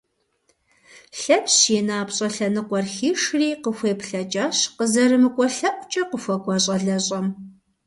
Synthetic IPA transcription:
ɬɐpɕjeːnaːpɕʼɐɬɐnɨqʷɔrxiːʂriːqəxʷeːpɬɐt͡ʃʼaːɕqəzɐɾɨmɨkʷʼɔɬɐʔʷʊt͡ʃʼɐqəfʷɐkʷʼɔɕʼɐɮɐɕʼɐm

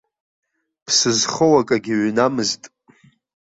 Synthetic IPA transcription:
pʰsɨzχowakʼaɡʲiɥnamɨztʼ

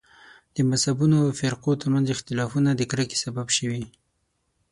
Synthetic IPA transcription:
d̪̥əmashabunofɪɾqot̪əɾmanzɪxt̪ɪlɑfunad̪əkɾəke̥sababʃəwi

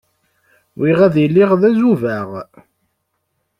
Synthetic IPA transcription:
wiʁæðjlːiʁðæzuvæʁ

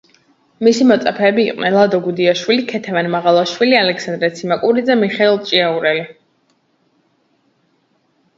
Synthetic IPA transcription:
misimɔt̪sʼapʰɛːbiːqʼwnɛ̰nlˠad̪ɔɡud̪iaʃwilikʰɛt̪ʰɛvanmaʁalˠaʃwilialɛksand̪ɾɛt̪sʰimakʼuɾid̪zɛmiχɛilˠt͡ʃʼiauɾɛli

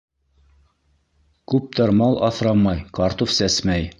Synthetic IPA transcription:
kʉp̚t̪ɑɾmɑlˠʔɑθɾɑmɑjkɑɾt̪ofsæsmæj

